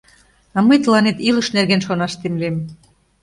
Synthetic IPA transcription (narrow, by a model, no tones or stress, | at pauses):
ɑməjt̪əlɑnet̪ilə̆ʃnerɣenʃonɑʃt̪emlem